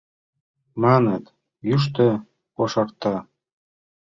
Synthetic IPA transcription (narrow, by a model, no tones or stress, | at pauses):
mɑnət̪ | jyʃ̬t̪ø | koʃɑrt̪ɑ